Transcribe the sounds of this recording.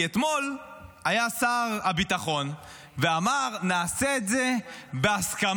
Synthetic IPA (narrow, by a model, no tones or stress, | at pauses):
et̪mo̞lajasaʁabit̪aχo̞n | veamaʁnaːseetzebeaskam